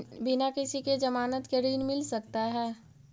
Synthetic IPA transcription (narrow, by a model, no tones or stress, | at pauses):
bɪnakɪsiked͡ʒɐmaːnət̪keɾiːnmɪlsɐk̚t̪aɦɛː